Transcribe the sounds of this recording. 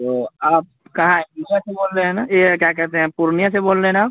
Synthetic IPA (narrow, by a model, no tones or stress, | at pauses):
t̪oːaːp̚kɐɦãeknijãseboːlɾeɦɛ̃najekjaːkɛɦt̪eɦɛ̃puɾnijãseboːlɾeɛ̃naaːp